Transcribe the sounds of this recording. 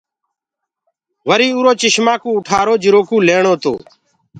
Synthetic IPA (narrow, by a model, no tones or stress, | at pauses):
ʋəɾiːuːɾoːt͡ʃɪʃmãːkũːʊʈʰaːɾoːd͡ʒɪɾoːkũːleːɳoːt̪o̰ː